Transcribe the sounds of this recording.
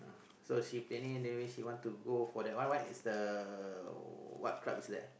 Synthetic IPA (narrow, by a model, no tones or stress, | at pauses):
a̰ | soʃiplẽnĩndɛ̃wiʃiwɔ̃ntuɡofɔdɛtwãwanisdə | wɔ̰t̚kla̰pisdɛ̰